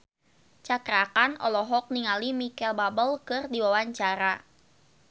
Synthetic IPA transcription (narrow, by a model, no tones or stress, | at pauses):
t͡ʃakɾakanɔ̰lɔɦɔk̚niŋalimikɛlbabəlkɨrdiwawaɲt͡ʃaɾa